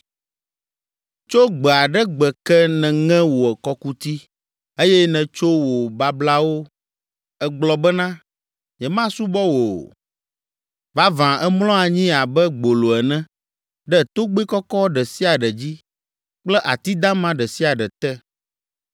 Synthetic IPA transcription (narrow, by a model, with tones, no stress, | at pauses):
t͡ʃo˦ɡ͡bɛ˨a˨ɖɛ˦ɡ͡bɛ˨kɛ˦nɛ̃˨ŋɛ̃˦wo˨ɛ˨kɔ˦ku˦t̪i˦ | e˦jɛ˦nɛ̃˨t͡ʃo˦wo˨ba˦bla˦wo˦ | ɛ˨ɡ͡blɔ˨bɛ˦nã˦ | ɲɛ̃˨mã˦su˦bɔ˦wo˨ | va˦vã˨ʔɛ˦mlɔ̃˦a˨ɲĩ˦a˨bɛ˦ɡ͡bo˨lo˨ɛ˨nɛ̃˦ | ɖɛ˦˨t̪o˦ɡ͡be˦kɔ˦kɔ˦ɖɛ˨si˦a˨ɖɛ˨d͡ʑi˦ | k͡plɛ˦ʔa˨t̪i˦d̪ã˦mã˦ɖɛ˨si˦a˨ɖɛ˨t̪ɛ˦